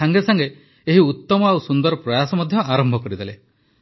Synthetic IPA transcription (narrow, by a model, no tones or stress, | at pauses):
aŋɡesaŋɡe | eɦiut̪ːɔmɔausund̪ɔɾɔpɾɔjasɔmɔd̪ʱjɔaɾɔmbʱɔkɔɾid̪ele